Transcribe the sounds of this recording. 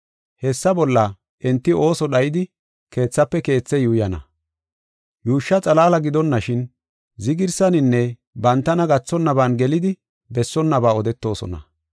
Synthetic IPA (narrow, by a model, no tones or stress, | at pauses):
hɛsːɐbɔlːɐ | ʔɛnt̪ːɪo̞ːsɔɗɐjɪd̪ɪ | ke̞ːt͡sːɐpːɛke̞ːt͡sːɛjuːjɐnɐ̰ | juːʃːɐt͡sʼɐlaːlɐɡɪd̪ɔnːɐʃɪn | zɪɡɪɾsɐnɪnːɛ | bɐnt̪ːɐnɐɡɐt͡sːɔnːɐbaːnɡɛlɪd̪ɪ | bɛsːɔnːɐbaːɔd̪ɛt̪ːo̞ːsɔ̰nɐ̰